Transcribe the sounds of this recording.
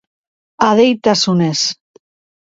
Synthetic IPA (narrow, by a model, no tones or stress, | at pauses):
aðejt̪asunes